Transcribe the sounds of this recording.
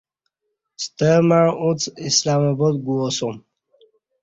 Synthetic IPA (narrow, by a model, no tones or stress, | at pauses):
st̪əmaɾũt͡sʰislamabɔd̪ɡuɔsɔm